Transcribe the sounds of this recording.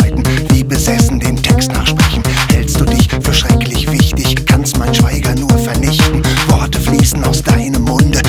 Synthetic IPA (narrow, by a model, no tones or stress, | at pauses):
aɪtn̩viːbəzɛsn̩deːmtʰɛkstna̰ːχʃpʁ̥ɛçn̩hɛlstd̥uːdɪçfyːɐʃʁ̥ɛklɪçv̥ɪçtɪçkʰanstmaɪnʃv̥aɪɡɐnuːɐfɛɐnɪçtn̩vɔɐtəfliːsn̩aʊsd̥aɪnəmːʊndə